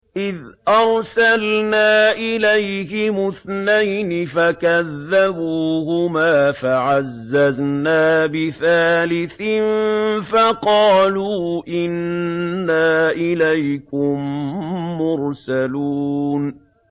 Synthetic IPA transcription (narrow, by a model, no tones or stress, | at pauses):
ʔɪðʔɑɾˤsalnaːʔɪlajhɪmʊθnajnɪfakaðːabuːhʊmaːfaʕazːaznaːbɪθaːlɪθɪnfaqɑːluːʔɪnː | aːʔɪlajkʊmː | ʊɾsaluːn